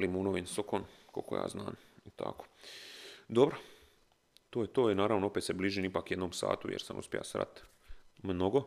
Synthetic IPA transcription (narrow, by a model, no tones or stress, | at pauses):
limunoʋinsokonko̰lkoja̰ːzna̰ːm | it̪ʰa̰ko̥ | d̪obɾo | t̪oːjet̪oːinaːɾaʋnoopet̪sebliːʒiːnipaːkje̞d̪noːmsa̰ːt̪ujḛɾsa̰mṵspʲjḛja̰sɾa̰t̪ | mnoɡo